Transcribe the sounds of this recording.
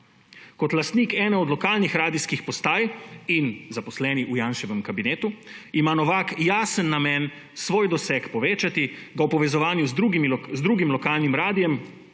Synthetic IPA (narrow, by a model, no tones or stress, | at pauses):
kɔt̪last̪niːkɛːnɛɔd̪lɔkaːlnixɾaːd̪iskixpɔst̪aːjinzapɔslɛːniʔujaːnʃɛʋɛmkabineːt̪uimanɔʋaːkjaːsənːamɛn | sʋoːjd̪ɔsɛkpɔʋeːt͡ʃat̪iɡawpɔʋɛzɔʋaːnjuzɾuɡimzd̪ɾuːɡimlɔkaːlnimɾaːd̪ijɛm